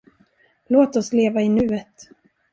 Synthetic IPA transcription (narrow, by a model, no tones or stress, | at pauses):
loːt̪ɔsleːvaɪnʉ̟ːət̪